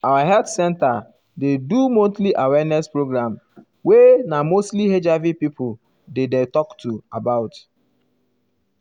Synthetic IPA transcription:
awaɦɛltsɛ̃nta | dedumõtliʔawɛnɛspɹoɡɹãm | wenamostlihed͡ʒavipipʰol | dedetɔktuabaʊt

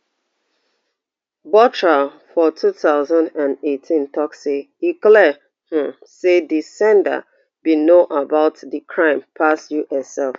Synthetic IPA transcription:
bɔtɹa | fɔtʰuθaʊzãndãnetʰĩntʰɔkse | iklɛ | h̩sedisɛ̃ndə̰ | binõʔabaʊtdikʰɹãɪ̃mpʰasjuʔəsɛlf

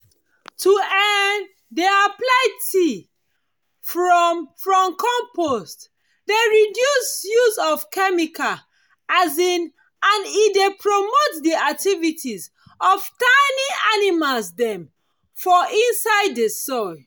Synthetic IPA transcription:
tʰuɛn | deaplaɪti | fɹɔmfɹɔ̃mkʰɔ̃mpʰost | deɹidjusjuzɔvkɛmika | azĩn | ãnidepʰɹomotdiak̚tʰivitʰiz | ɔvtaɪniʔanimalsdɛ̃m | fɔʔĩnsaɪddesɔɪ

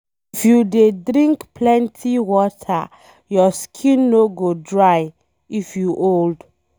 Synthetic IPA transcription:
ifjudedɾĩŋkplɛ̃ntʰiwɔtʰa | jɔskʰĩnːoɡodɹaj | ifjuʔold

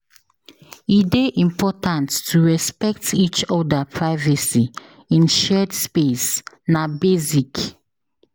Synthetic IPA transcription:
ideʔĩmpʰɔtãntːuɹɛspɛk̚tit͡ʃɔdapʰɹaɪvasi | ĩnʃɛdspes | nabezik

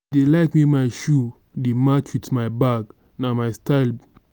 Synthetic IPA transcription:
delaɪkmimaɪʃu | demat͡ʃwitmaɪbaɡ | namaɪstaɪl

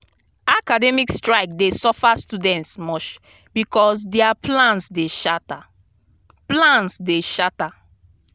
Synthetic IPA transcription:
akadɛmikstɹaɪk̚desɔfastudɛ̃ntsmɔt͡ʃ | bikɔs̬dɛaplãnsdeʃata | plãnsdeʃata

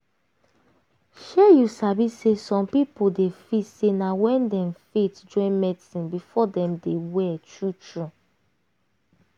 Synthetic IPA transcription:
ʃɛjusabisesɔ̃mpipodefitsenawɛ̃ndɛmfetd͡ʒɔ̃nmɛdisĩnbifɔdɛ̃mdewɛtɹut͡ʃɹu

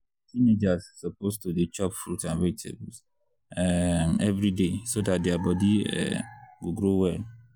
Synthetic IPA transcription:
tined͡ʒazsɔpostudit͡ʃɔpfɾutãnɹetʰḛbs | ɛmɛvɾidesodat̚deabɔdiɛ̰ɡoɡɾowɛ

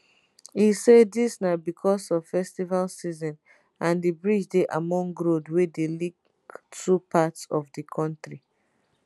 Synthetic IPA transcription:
isedisnabikʰɔsɔv̥fɛstivalsizɔ̃n | ãndibɹid͡ʒdeʔamɔ̃ŋɡɹodwedelik | tʰupʰatsɔvdikʰɔ̃ntɹi

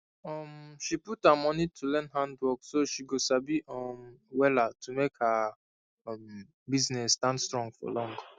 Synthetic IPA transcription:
ɔmʃiputhamɔnitʰulɛ̃nɦãndwɔksoʃiɡosabiʔɔmwɛlatʰumekha | m | biznɛsːtãndstɹɔ̃ŋɡfɔ̰lɔ̃ŋɡ

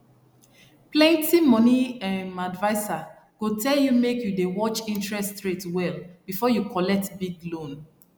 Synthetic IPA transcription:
plɛ̃ntimɔniãmadvaɪsa | ɡ̥otɛljumekjudewɔt͡ʃĩntɹɛstɹetwɛlb̥ifɔjukʰɔlɛk̚tbiɡlõn

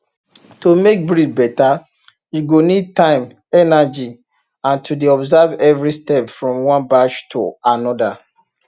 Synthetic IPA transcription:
tomek̚bɹifbɛta | juɡonid̚tãɪ̃m | ɛnad͡ʒi | ãntʰudeɔbzavɛvɹistɛpfɹɔ̃mwɔ̃nbaʃtʰo̰anɔda

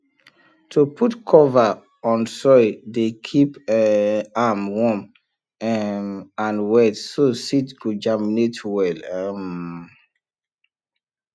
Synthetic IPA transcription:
tʰupʰutkʰɔva | ɔ̃nsɔɪdekʰip | amwɔm | mãnwɛtsositɡod͡ʒaminetʰwɛlam

